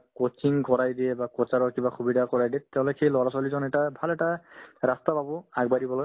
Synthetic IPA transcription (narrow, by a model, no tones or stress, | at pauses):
kot͡ʃiŋkɔɹajdiɛbakɔt͡ʃaɹɔɹkibaxubidʱakɔɹajdiɛtɛʊ̃lokʰejlɔɹasalizɔnɛtabʱalɛtaɹastababɔaɡ̚badibɔlɔj